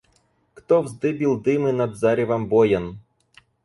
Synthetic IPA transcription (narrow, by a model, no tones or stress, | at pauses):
kt̪ɔwzd̪ɪbʲilˠd̪ɪmɪnɐd̪zɑɾʲiʋɐmbɔjɐn